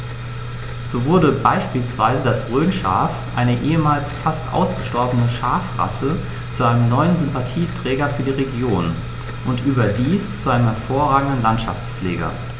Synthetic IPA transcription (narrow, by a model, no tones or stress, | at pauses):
z̥oːvʊɐdəbaɪʃpiːlsv̥aɪzədasʁøːnʃa̰ːfʔaɪnəʔeːəmaːlsfastʔa̰ʊsɡ̥əʃtɔɐbənəʃaːfʁa̰sə | t͡suʔaɪnəmnɔʏənzʏmpatʰiːtʁ̥ɛːɡɐfyːɐdiːʁeɡjoːn | ʔʊntʔyːbɐdiːst͡suʔaɪnəmhɛɐfoːɐʁaːɡŋ̩dn̩lantʃa̰ft͡sfleːɡɐ̰